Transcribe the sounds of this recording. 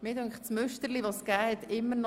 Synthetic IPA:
mɪːdøŋχt͡smʏʃtəɾliʋosɡ̥æːhɛt̪ɪmːənɔ

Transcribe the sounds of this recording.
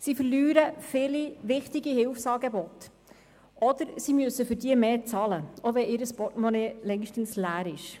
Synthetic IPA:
sifərlyːɾəfɪliʋɪχtiɡihɪlfsɑːɡebɔt | ʔɔd̪əɾsimɵsːəfʏɾdiəmeːt͡sɑːləoʋɛʔɪɾəspɔtmɔnelɛŋʃtən̩slæːɾɪʃ

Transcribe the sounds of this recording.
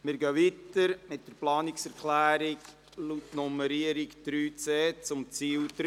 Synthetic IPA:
mɪɾɡœʋitəɾmɪt̚d̥əɾplɑːnɪksɛɾklæːɾɪk | lutnɔməɾiəɾikd̥ɾyːt͡seːt͡sʊmt͡siːld̪ɾ

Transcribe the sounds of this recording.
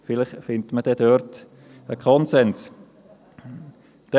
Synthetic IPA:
fɪlɪχfɪntməd̥ɛdøɾt | əkʰχɔnsɛns | d̥ɛ

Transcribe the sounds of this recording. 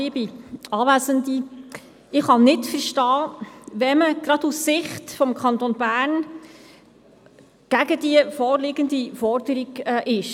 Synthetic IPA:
ɪbiɑːʋæsənd̪i | ɪχhɑnɪtfəɾʃtɑːʋɛməɡ̥ɾɑdussɪχtfɔmkʰɑnt̪onbæːɾn | ɡ̥æɡəd̥iəfɔːɾlɪɡənd̪ifɔɾdəɾiɡɛʔɪʃ

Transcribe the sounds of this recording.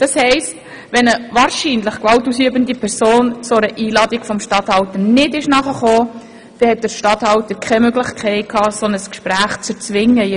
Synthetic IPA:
d̥ɑshɛɪst | ʋɛnəʋɑːɾʃiːnlɪχkʋɑltusyəbəndipʰɛɾsoːnt͡sʊɾəʔiːlɑdiɡfɔmʃtɑthɑwtənɪdɪʃnɑχəχoː | d̥ɛhɛt̚d̥əɾʃtɑthɑwtəɾkʰχɛmøɡlɪχkʰɛɪt̚kʰhɑːsɔnəskʃpɾæːχt͡sət͡sʋɪŋːə

